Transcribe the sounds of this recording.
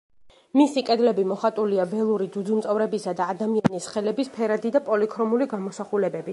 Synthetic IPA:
misikʼɛd̪lɛbimɔχat̪ʼuliavɛlˠuɾid̪zud̪zumt̪sʼɔvɾɛbisad̪aːd̪amianisχɛlɛbispʰɛɾad̪id̪apʼɔlikʰɾɔmuliɡamɔsaχulɛbɛbi

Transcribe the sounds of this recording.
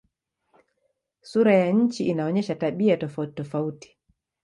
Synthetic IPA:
suɾajaɲ̩t͡ʃiʔinaɔɲɛʃataɓiatɔfautɔfauti̥

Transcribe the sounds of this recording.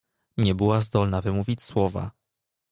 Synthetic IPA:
ɲɛbɘwazd̪ɔlnavɘmuvʲit͡ɕswɔva̰

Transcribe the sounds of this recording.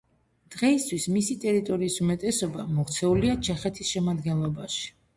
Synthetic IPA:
d̪̥ʁɛist̪ʰwismisit̪ʼɛɾit̪ʼɔɾiːsumɛt̪ʼɛsɔbamɔʁt̪sʰɛuliat͡ʃʰɛχɛt̪ʰisʃɛmad̪ɡɛnlˠɔbaʃi̥

